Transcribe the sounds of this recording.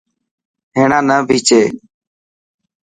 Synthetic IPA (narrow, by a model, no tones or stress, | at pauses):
ɦeːɳãːnəːbʱiːt͡ʃeː